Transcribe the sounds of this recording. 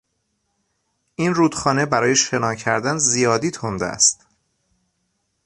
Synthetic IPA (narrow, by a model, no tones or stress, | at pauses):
ʔinruːd̪xɒːnebæɾɒːje̞ʃe̞nɒːcʰæɾd̪ænzijɒːd̪iːt̪ʰond̪æ̰æ̰st̪